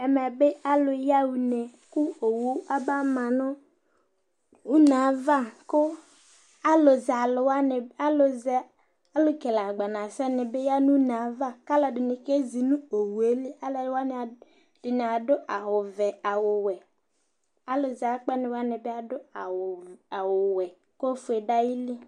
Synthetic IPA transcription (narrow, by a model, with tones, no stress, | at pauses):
ɛ˨mɛ˨be˦a˦lʊ˨ja˦wu˨ne˨ku˦o˨wu˨˦a˦ba˦mã˨nɔ̃˦ | u˦nã˨˦va˦kʊ˦ | a˦lo˨za˨lʊ˨wa˦nɪ˨a˦lʊ˨z | a˦lʊ˦kɛ˨la˨ɡ͡ba˨nã˨sɛ˦nɪ˨be˦ja˦nũ˦nã˨˦va˦ka˦la˨dɪ˨nɪ˨ke˦zi˨nũ˦o˨wu˨e˦li˦a˦la˨˦wa˦n˨ | d̥ʊ˨nɪ˨a˨dʊ˦ʔa˨ɦʊ˨vɛ˨a˨wʊ˨wɛ˨ | a˨lo˨za˨k͡pɛ˦nɪ˨wa˦nɪ˨be˦a˨dʊ˦a˨wa˨wʊ˨wɛ˨ | ko˦fʊ˨e˨da˦ji˦li˦